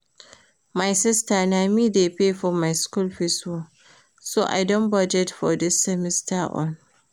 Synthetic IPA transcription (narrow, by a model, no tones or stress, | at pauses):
majsɪstanamiːdepefɔmajskulɸɪso | soːʔa̰jdɔnbad͡ʒɛtfɔdɪsːɛmɪstʰaʔɔ̰̃n